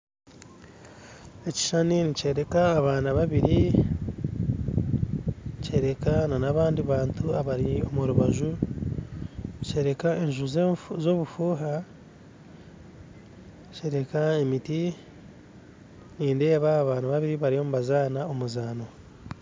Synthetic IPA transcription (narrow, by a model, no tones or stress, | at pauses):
e̞ci̥ʃaninice̞ːɾe̞kaːβaːnaβaβiɾi | ce̞ːɾe̞kananaβaːndiβaːntʰuaβaɾio̞muɾuβaʒu | ce̞ːɾe̞kae̞ɲʒuzezoːβufuːɦa | ce̞ːɾe̞kaemiti | niːnde̞ːβaːβaːnaβaβiɾiβaɾio̞muβazaːnao̞muzaːno̞